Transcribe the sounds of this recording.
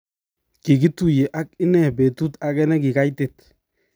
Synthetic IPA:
ki˨ɡi˦tu˨je˨ʔa˦kɪ˦nɛ˦˨be˨tu˦ta˦kɛ˦nɛ˦kɪ˨ka˦jte˨t

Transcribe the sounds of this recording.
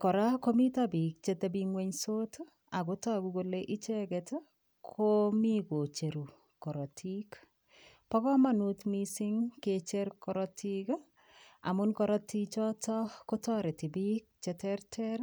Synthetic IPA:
kɔ˨ɾa˦ko˦mi˦tabi˨k̚t͡ʃe˦te˨bi˦ŋwe˦ɲso˦t | a˨kʊ˦tɔ˦˨ku˦koleʔi˦t͡ʃɛ˦kɛt | kʰo˦mi˦ko˨t͡ʃe˨ɾu˨ | kɔ˨ɾɔ˨tʰi˦k | pɔ˦kɔ˦ma˦nu˦tmisɪ˦ŋket͡ʃe˦ɾkɔɾɔtik | a̰˨mʊ˦nkɔɾɔ˦tit͡ʃɔ˦tɔ˦ko˦tɔ˦ɾɛ˨tɪ˨bi˦k̚t͡ʃɛtɛɾtʰɛɾ

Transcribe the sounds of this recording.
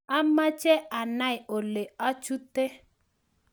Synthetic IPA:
a˦ma˦t͡ʃɛ˦a˨na˦˨ɪ˨o˨le˨a˦t͡ʃu˦te˦

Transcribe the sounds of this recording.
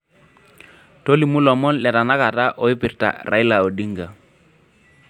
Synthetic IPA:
to˦li˨mu˦lɔ˨mɔ˦nlɛ˨ta˨na˦ka˨ta˦ʔɔ˨ɪ˦pɪ˨rta̰˨rʔa̰˨ɪ˦la˨o˨di˦ŋɡa˨

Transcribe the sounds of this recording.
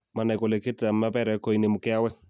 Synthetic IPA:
ma˨na˨jko˨le˨ke˦ta˨mːa˦bɛ˦ɾɛ˨ko˨ine˨mu˨kɛ˦a˦wɛ˦

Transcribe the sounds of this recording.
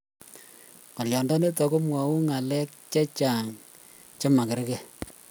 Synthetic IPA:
ko˨ljɔ˨nda˦ne˦tɔ˨ko˦mwa˨u˦ŋa˨lɛ˦k̚t͡ʃɛ˦t͡ʃa˨ŋ | t͡ʃo˦ma˨kɪ˨ɾke˦

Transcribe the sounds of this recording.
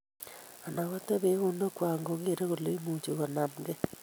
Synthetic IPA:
a˨na˨ɣo˦ta˦βe˦ɣo˦no˦kwaː˨ŋɡo˨ɣe˦ɾe˦ɣo˨lo˦i˦mu˨t͡ʃo˨ɣa˨na˨nɡe˦

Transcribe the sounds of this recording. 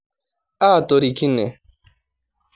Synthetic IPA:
aː˦˨to˨ɾi˨ki˦ne˨

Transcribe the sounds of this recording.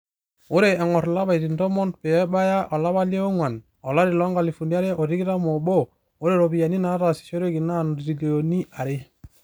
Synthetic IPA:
o˦ɾe˨ɛ˨ŋɔ˨ɾla˦ba˨i˨ɾi˨ndɔ˦mɔ˦npɛ˨ɛ˦ba˦ja˦ʔɔ˨la˦βa˦le˦ɔ˦ŋwa˨n | ɔ˨la˦ɾi˨lɔ˦ŋɡa˨li˨fu˨ni˦a˦ɾe˦ʔɔ˨ɾi˦ɡi˦ɾa˦mɔ˨bo˦ | o˦ɾe˦ɾɔ˨bi˨ja˨ni˦na˨˦ɾa˨si̥˨t͡ʃo˦ɾe˦ki˨na˦˨nɾi˨lo˨ni˦a˨ɾe˦

